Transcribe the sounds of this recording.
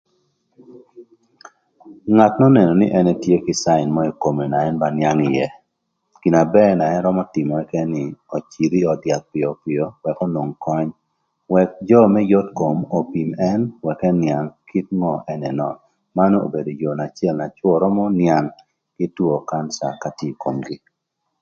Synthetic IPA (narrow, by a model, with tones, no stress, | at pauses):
ŋa˨tnɔ˦nɛ˨nɔ˨nɪ˦ʔɛ˦nɛ˦tje˦kɪ˨sa˦ɪ˨nmɔ˦i˨ko˨me˨na˨ɛ˦nba˦nja˦ŋɪ˨jɛ˨ | ki˨na˨bɛ˦na˨ɛ˦nɾɔ˦mɔ˦tɪ˨mɔ˨ɛ˦kɛ˦nɪ˨ɔ˨t͡ʃi˨ɾi˦ɔ˨dja˨t̪̚pɪ˨ɔ˨pɪ˨o˦wɛ˨ko˦no˨ŋkɔ˦ɲ | wɛ˨k̚d͡ʒɔ˦mɛ˦jo˦tko˨mo˨pi˨mɛ˦nwɛ˨kɛ˦nja˨ŋkʰi˦t̚ŋɔ˦ʔɛ˦nɛ˨nɔ˨n | ma˦no˦o̰˨be˨do˨jo˨na˨t͡ʃɪɛ˦lna˨t͡ʃwɔ˨ɾɔ˦mɔ˦nja˨ŋ | kɪ˦two˨ka˦nsa̰˨kati˦˨ko˨mɡi˦